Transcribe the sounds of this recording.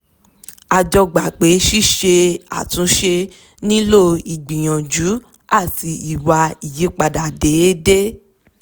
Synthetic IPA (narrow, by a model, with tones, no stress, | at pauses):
a˨d͡ʒɔ˧ɡ͡ba˨k͡pe˨˦ʃi˦˨ʃe˧a̰˨tũ˨˦ʃe˧ | nĩ˦lo˦i˨ɡ͡bĩ˨j̃ɔ̃˨d͡ʒu˨˦ | a˦˨ti˧i˨wa˧i˨je˨˦k͡pa˧da˨de˨˦de˦